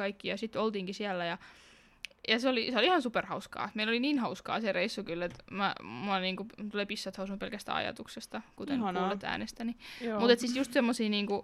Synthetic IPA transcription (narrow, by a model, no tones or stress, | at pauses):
ɑikːijɑsit̪ːolt̪iːŋkisiælːæjɑ | jɑseoliiseolihɑnsuperhɑuskɑ̰ːmeiloliniːnhɑuskɑ̰ːsereisːukylːet̪mæ̰muɑniːŋkut̪uleːpisːɑt̪hɑusunupelkæst̪æ̰ɑ̰jɑ̰t̪uksest̪ɑkut̪ennolːet̪ːæ̰ːnest̪ænimut̪et̪sit̪just̪semːosiːniːŋku